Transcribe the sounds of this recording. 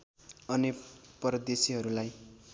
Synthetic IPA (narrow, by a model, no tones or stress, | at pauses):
ʌnipʌɾʌd̪esiɦʌɾulaj